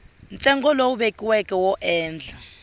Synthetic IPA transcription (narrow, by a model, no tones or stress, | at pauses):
nt͡sʼɛŋɡʱɔlɔuɓekʼiwɛkʼɛwɔʔɛːnd͡ɮʱa